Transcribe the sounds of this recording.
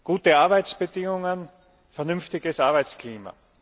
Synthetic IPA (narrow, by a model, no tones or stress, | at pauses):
ɡ̥uːtəaɐbaɪt͡sb̥ədɪŋʊŋən | fɛɐnʏnftɪɡəsaɐbaɪt͡skliːma̰